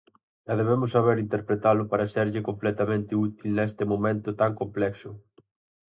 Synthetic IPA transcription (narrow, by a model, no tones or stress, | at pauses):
ɛðeβemʊsːaβeɾint̪eɾpɾet̪alʊpaɾɐseɾʎɪkomplɛt̪ɐmẽnt̪ɪut̪ilnɛst̪ɪmomẽnt̪ʊt̪aŋkomplɛksʊ